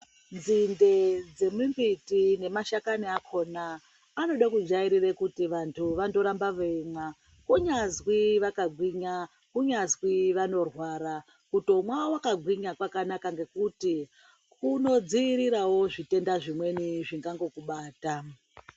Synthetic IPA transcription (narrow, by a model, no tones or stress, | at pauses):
nd͡zinde̞d͡ze̞mimbitine̞maʃakaniakʰo̞naː | no̞ɗakud͡ʒaiɾirekutiʋantʰuʋando̞ɾambaʋeŋa | kuɲazwiʋakaɡʱwiɲa | kuɲazwiʋano̞rwaːɾa | kutomwawakaɡʱwiɲakwakanakaŋɡe̞kuti | kuno̞d͡ziːɾiɾawo̞ʐite̞ndaʐimwe̞niʐiŋɡaŋɡo̞kuɓaːta